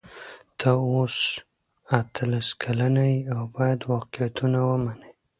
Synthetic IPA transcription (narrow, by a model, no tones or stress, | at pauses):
d̪̥aos | at̪ʰəlaskʰalanajiawbɑjad̪wɑqɪjat̪unawəmanəj